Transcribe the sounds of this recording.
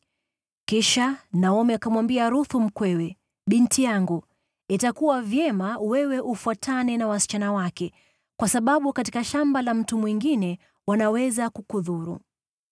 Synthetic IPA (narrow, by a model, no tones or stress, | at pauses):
kiʃanaɔmɛakamwambiaɾuθum̩kwɛwɛ | ɓintijaŋɡu | itakuwavjɛmawɛwɛʔufuatʰanɛnawasi̥t͡ʃanawakɛ | kwasaɓaɓukati̥kaʃambalam̩tumwiŋɡinɛ | wanawɛzakukuðuɾṵ